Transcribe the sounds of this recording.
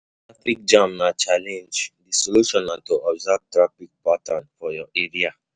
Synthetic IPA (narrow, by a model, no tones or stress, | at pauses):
tɹafik̚d͡ʒãmnat͡ʃalɛ̃nd͡ʒdisoluʃɔ̃nãntoʔɔbzab̚tɹafik̚patãnfɔjɔʔeɹia